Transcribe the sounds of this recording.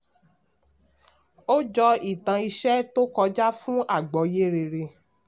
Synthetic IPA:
o˦d͡ʒɔ˧i˦˨tã˧i˧ʃɛ˦to˦kɔ˧d͡ʒa˦fũ˦a˦˨ɡ͡bɔ˨˦je˦ɾe˧ɾe˧

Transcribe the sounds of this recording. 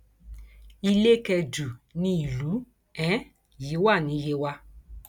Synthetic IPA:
i˧le˦kɛ˧du˨nĩ˦i˨lu˨˦ | ɛ̃˨˦ | ji˨˦wa˦˨nĩ˨˦je˧˦wa˧

